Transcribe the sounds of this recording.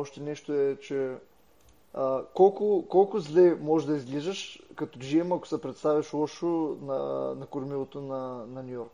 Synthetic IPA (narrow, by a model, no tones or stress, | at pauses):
ɔʃt̪ɛnɛʃt̪oɛt͡ʃɛ | əkɔlˠkʊkɔlˠkʊzlɛmɔʒd̪ɐizɡlizəʃkɐt̪oʒiɛmɐkʊ̥sɛpɾɛt̪st̪avʲɐʃlˠɔʃonɐnɐkʊɾmilˠot̪onɐnɐnʲijɔɾk